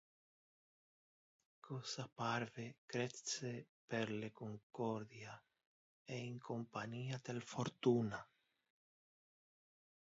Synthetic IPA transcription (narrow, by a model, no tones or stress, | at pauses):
kʰosapaɾβekɾesepeɾlekoŋkoɾðja | eiŋkompaɲiat̪elfoɾt̪una